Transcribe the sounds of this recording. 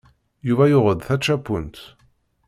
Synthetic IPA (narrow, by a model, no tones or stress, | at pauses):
juvæjʊʁəðθæt͡ʃːæpːunt̪